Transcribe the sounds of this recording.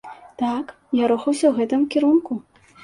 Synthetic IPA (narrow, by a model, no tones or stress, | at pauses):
t̪ak | jaɾɔxɐwsʲɐwɣɛt̪ɨmkʲiɾunku